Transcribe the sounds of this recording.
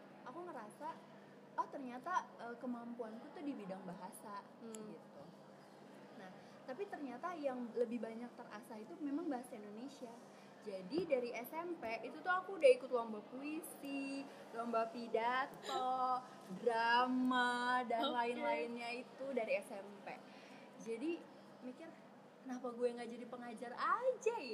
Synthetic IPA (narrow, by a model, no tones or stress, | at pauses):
akuŋəɾasa | aht̪ərɲat̪aəːkəmampuank̪ut̪ʊdibidaŋbaɦasa | ɡit̪u | nah | t̪apit̪ərɲat̪ajaŋləbɪhbaɲak̚t̪əra̰sait̪umemaŋbaɦasaindonesia | d͡ʒadidaɾiʔɛsɛmpeʔit̪ut̪uɦakudaikʊt̪wambapuisi | waŋbapidat̪o | dɾamadanlaɪnlaɪnɲait̪udaɾiɛsɛmpe | d͡ʒadi | mikɪr | kənapaɡuɛŋɡaʔd͡ʒadipəŋad͡ʒarad͡ʒaja